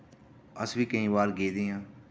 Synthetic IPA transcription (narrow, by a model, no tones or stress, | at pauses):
əsʋiːkəĩːbaːɾɡeːd̪iːãː